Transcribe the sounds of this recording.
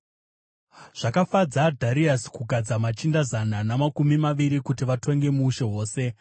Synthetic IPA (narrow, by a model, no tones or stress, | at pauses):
ʐ̥akafad͡zadʱaɾiaskuɡʱad͡zamat͡ʃindazananamakumimaʋiɾikutiʋatʰo̞ŋɡe̞muːʃe̞ɦo̞ːse̞